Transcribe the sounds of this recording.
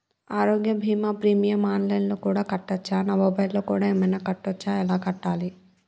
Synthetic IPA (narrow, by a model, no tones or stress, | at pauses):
aːɾoːɡjɐbʱiːmaːpɾiːmijɐmaːnlɐjnloːkuːɽaːkɐʈːɐt͡ʃːaːnɐʋɐbɐjloːkuːɽaːeːmɐjnɐkɐʈːɐt͡ʃːaːɛlaːkɐʈːaːli